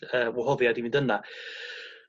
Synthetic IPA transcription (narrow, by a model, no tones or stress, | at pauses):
əːwɔɦɔðjadivĩndəna